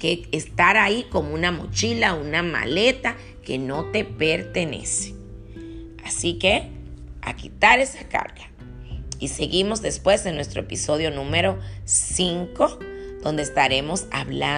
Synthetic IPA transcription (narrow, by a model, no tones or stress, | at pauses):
keːst̪aɾaiko̞mounamo̞̰t͡ʃilaunama̰let̪a | keno̞t̪e̞peɾt̪enḛse̥ | asikea̰kit̪aɾesaka̰ɾɣa | iseɣimo̞zðe̞spwe̞senwe̞st̪ɾoepiso̞ðjo̞nũmeɾosiŋkod̪̥o̞nd̪est̪aɾemo̞sa̰βla